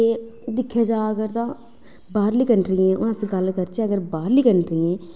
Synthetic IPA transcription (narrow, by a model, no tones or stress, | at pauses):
ed̪ɪkʰːjaːd͡ʒaːəɡəɾt̪ãː | baːɾliːkəɳɾiɛ̃ːʔʊ̃sɡəlkəɾt͡ʃɛ̃ːəɡəɾbaːɾliːkəɳɾiːɛ̃ː